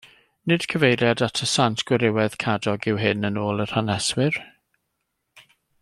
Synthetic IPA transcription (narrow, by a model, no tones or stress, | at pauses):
nɪd̥kʰəvejɾjadatʰəsantʰɡ̥wɪɾɪwɛð̥kʰadɔɡɪwɦɪnənoːlˠər̥hanɛswɪr